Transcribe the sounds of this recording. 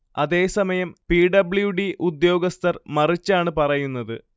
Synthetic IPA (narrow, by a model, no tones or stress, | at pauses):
ɐðe̞ːsɐmɐjɐmpiːɖɐbɭjuɖiʔud̪jo̞ːɡɐst̪ʰɐrmɐrit͡ɕːaːɳɨpɐrɐjunːɐðɨ